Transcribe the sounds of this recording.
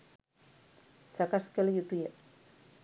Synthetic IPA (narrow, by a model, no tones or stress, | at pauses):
sakaskelejut̪uje